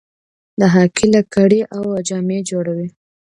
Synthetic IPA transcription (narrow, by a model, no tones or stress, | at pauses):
d̪aɦɑkilakaɽeʔawad͡ʒɑmed͡ʒoɽawi